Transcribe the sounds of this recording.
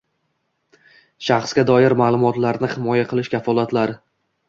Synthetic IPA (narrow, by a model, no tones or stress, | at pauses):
ʃɑχsɡʲad̪ɒjɪɾmaːlˠʊmɒt̪laɾnɪhɪmɒjaqʰɨlˠɪʃkʲafɒlˠat̪laɾɪ